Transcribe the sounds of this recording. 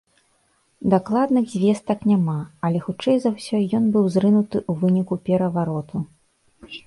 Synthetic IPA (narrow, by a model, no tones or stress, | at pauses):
d̪aklˠad̪nɨɣzʲvʲɛst̪ɐknʲamaɐlʲɛxut͡ʂɛjzɐwsʲɔjɔnbɨwzɾɨnut̪ɨʔuvɨnʲikupʲɛɾɐvaɾɔt̪u